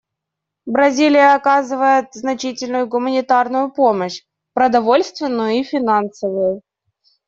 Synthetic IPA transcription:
bɾɐzʲilʲɪjəɐkazɨvəjɪt̪znɐt͡ɕitʲɪlʲnʊjʊɡʊmənʲɪt̪arnʊjʊpo̞məɕ | pɾəd̪ɐvo̞lʲst̪vʲɪnːʊjʊifʲɪnansəvʊjʊ

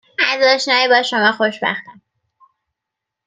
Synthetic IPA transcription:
æzɒːʃnɒːjebɒːʃomɒːxoʃbæ̰xt̪æm

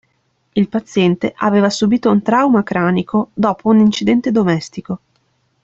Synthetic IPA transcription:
ilpat̪sːjɛnt̪eʔaveːvasubiːt̪ount̪ɾawmakɾaːnikʰod̪ɔːpʰounint͡ʃid̪ɛnt̪ed̪omɛst̪iko

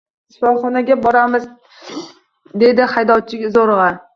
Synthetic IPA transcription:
ʃɪfɒlˠχɒnaɡʲabɒɾamɪz | d̪e̞d̪ɪhajd̪ɒt͡ʃʰɪkʲzoɾʁɑ

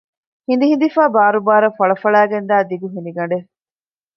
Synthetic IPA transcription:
hind̪iɦind̪ifaːbaːɾubaːɾɐfɐɭɐfɐɭæːɡend̪æːd̪iɡuɦind̪iɡɐɳɖe

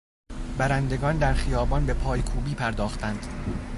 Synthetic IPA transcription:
bæɾænd̪e̞ɡɒːnd̪æɾχijɒːbɒnbe̞pʰɒːjkʰuːbiːpʰæɾd̪ɒːxt̪ʰænd̪̥

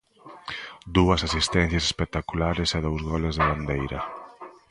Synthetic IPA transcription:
d̪uɐsasist̪ɛn̟θjɐse̥spek̚t̪akulaɾɪsaðowzɣɔlezðɪβ̞and̪ejɾɐ

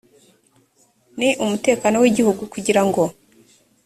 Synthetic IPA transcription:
niʔumute̞ːkano̞wiɟihuɡukuɟiɾaŋɡo̞

